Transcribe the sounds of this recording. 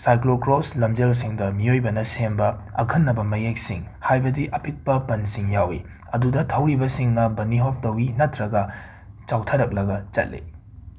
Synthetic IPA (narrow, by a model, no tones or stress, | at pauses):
sajklokɾoslɐmd͡ʒels̬iŋdɐmiojbɐnɐsembɐɐ̰kʰɐnːɐbɐmɐjek̚siŋhajbɐdiʔɐpik̚pɐpɐnsiŋjawḭ | ɐdudɐtʰɐwibɐsiŋnɐbɐniɦop̚tɐwinɐtɾɐɡɐ | t͡ʃawtʰɐɾɐk̚lɐɡɐt͡ʃɐ̰t̚lḭ